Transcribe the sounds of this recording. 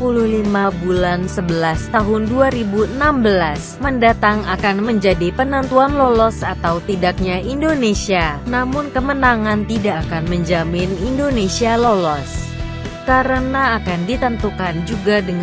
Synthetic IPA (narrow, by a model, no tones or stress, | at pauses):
puluhlimabulansəbəlast̪aɦʊnduaɾibuənambəlas | məndat̪aŋakanməɲd͡ʒadipənənt̪uanlolɔsat̪awt̪idak̚ɲaʔindonesianamʊnkəmənaŋant̪idakanməɲd͡ʒamɪnindonesialolɔs | kaɾənaːkandit̪ənt̪ukand͡ʒuɡadəŋ